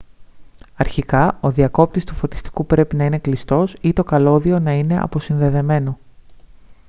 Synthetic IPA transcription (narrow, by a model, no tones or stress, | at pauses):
ɐɾçikɐoðiɐko̞p̚t̪ist̪ufo̞t̪i̥st̪i̥kupɾe̞pinɐine̞klist̪o̞sit̪o̞kɐlo̞ðio̞nɐine̞ʔɐ̰po̞sinðe̞ðe̞me̞no̞